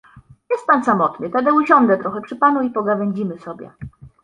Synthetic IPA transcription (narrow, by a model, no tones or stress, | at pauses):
jɛst̪̚pansamɔt̪nɘt̪ɛd̪ɛuɕɔŋɡ̪lɛt̪ɾɔxɛpʂɘpanuipɔɡavɛɲd͡ʑimɘsɔbʲjɛ̰